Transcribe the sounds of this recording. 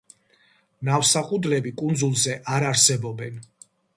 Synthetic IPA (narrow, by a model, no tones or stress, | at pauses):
nafsaqʼud̪lɛbikʼund̪zulˠzɛʔaɾaɾsɛbɔbɛn